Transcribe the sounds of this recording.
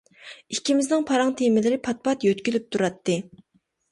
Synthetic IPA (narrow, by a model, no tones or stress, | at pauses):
ikʲʰimɪznɪŋpʰɑɾɑŋt̪ʰemɪlɪɾɪpʰɑt̪̚pɑt̪jøt̪kʲylyp̚t̪ʰuɾɑt̪ːɨ